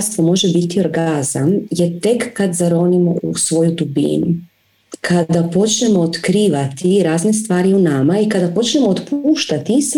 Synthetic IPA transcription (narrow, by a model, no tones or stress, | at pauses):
st̪ʋo̞mo̞ʒebit̪io̞ɾɡazamjet̪e̞kːad̪zaɾo̞nimousʋo̞jud̪ubḭnu | kʰad̪apo̞t͡ʃne̞mo̞ːt̪kɾiːʋat̪iɾaːzne̞st̪ʋaːɾiunamaikad̪apo̞t͡ʃne̞mo̞ot̪puːʃt̪at̪is